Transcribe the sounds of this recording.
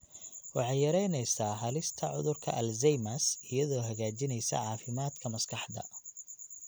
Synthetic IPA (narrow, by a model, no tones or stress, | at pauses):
wɑħɑjjɐɾɛjnɛjsaːɦɐlɪst̪ʰɐʕʊðʊrkʰɐ̰ʔɐlzɛjmɐsɪjɐðɔːɦɐɣaːt͡ʃɪnɛjsɐ̰ʕɑːfɪmaːd̪kʰɐmɐskʰɑħd̪ɐ̰